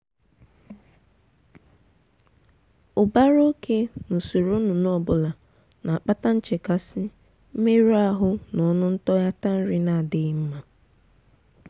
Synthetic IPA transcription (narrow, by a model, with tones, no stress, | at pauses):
ʊ˨ba˦ɾo˦kʰe˦no˨so˨ɾo˦nu˨nɔ˦˨bʊ˨la˨ | na˨a˨k͡pa˦ta˦n̩˦t͡ʃe˨ka˦sɪ˦ | m̩˦me˦ɾu˦a˦ɦʊ˦nɔ˨˦nʊ˦n̩˦tɔ˦ja˦ta˦n̩˦ɾɪ˦na˦˨a˨dɪ˦ɣɪ˦m̩˦ma˦